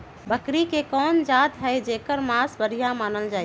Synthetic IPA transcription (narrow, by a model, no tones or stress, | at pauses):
bəkɾikekɔːnd͡ʒaːt̪ɦɛɪd͡ʒeːkəɾmasbəɾijamaːnəld͡ʒaː